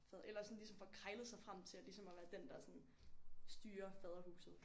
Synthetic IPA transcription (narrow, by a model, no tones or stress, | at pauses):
fɛðˠʔelɐsɒ̽n̩lisɒ̽mfɒ̽kʰʁaɪlð̩ˠsɑ̈ɪfʁam̰t͡sʰe̝lælisɒ̽mɒʋæːɐd̥end̥ɑ̈sɒ̽n | sd̥yːɐfɛðˠʁɐhṵːsð̩ˠ